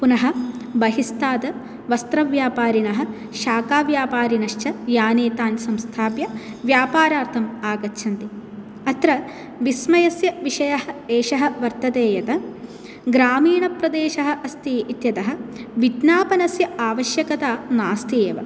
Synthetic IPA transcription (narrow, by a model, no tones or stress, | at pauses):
punɐɦɐ̆bɐɦist̪aːt̪ɐ | ʋɐst̪ɾɐʋjaːpaːɾinɐɦɐ̆ | ʃaːkaːʋjaːpaːɾinɐʃt͡ʃɐjaːneːt̪aːnsɐmst̪ʰaːpjɐʋjaːpaːɾaːɾt̪ʰɐmaːɡɐtːʃʰɐnt̪i | ɐt̪ɾɐ | ʋismɐjɐsjɐʋiʂɐjɐɦɐeːʃɐɦɐ̆ʋɐɾt̪ɐt̪eːjɐt̪ɐ | ɡɾaːmiːɳɐpɾɐd̪eːʃɐɦɐ̆ʔɐst̪iːʔit̪jɐt̪ɐɦɐ̆ʋid̪naːpɐnɐsjɐaːʋɐʃjɐkɐt̪aːnaːst̪ʰieːʋɐ̰